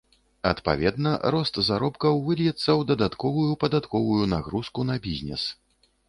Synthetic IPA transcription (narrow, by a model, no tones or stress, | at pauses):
ɐt̪pa̰vʲɛd̪nɐɾɔst̪zaɾɔpkɐwvɨlʲjɛt̪sːɐwd̪ɐd̪at̪kɔvujupɐd̪at̪kɔvujunaɣɾuskunɐbʲizʲnʲɛ̰s